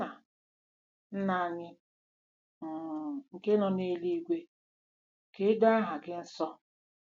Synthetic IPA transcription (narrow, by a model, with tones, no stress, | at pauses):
a˨ | n̩˦na˦˨ɲɪ˦˨ | ŋ̩˨ke˦nɔ˦ne˦li˦ɡʷe˦ | ke˦do˦a˦ɦa˨ɡɪ˦n̩˦sɔ˦